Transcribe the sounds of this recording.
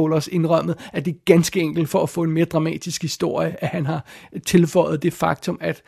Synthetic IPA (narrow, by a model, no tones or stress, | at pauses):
olɐse̝nʁɶm̰ð̩ˠæɐd̥eɡ̥ænsɡ̥əeŋ̰ɡ̥l̩d̥fɒ̽æfɔ̰̽ːe̝nme̝ːɐd̥ʁɑ̈mɛ̰ːd̥isɡ̥hisd̥o̝ɐ̰jəʔæhænɦɑ̈t͡sʰe̝lfɒ̽ɪð̩ˠd̥e̝fɑ̈ɡ̥̚t͡sʰɔ̽mæd̥